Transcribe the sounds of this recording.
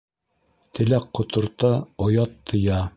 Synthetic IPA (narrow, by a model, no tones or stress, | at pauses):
t̪ʰɘ̆læqqːŏt̪ŏɾt̪ɑojɑt̪ʰːɤ̆jɑ